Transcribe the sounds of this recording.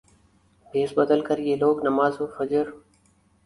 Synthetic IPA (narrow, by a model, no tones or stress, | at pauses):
bʱeːsbəd̪əlkəɾɪjeːloːknəmaːzoːfəd͡ʒəɾ